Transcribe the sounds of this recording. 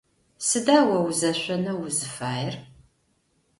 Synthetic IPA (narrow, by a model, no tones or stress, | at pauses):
sɨdaːwɐwzɐɕʷɐnɐwʊzɨfaːjɪr